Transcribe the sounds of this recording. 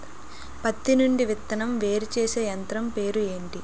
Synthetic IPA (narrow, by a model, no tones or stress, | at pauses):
pɐt̪ːinuɳɖiʋit̪ːɐnɐmʋe̞ːɾut͡ʃeːseːjɐnt̪ɾɐmpe̞ːɾue̞ːɳʈi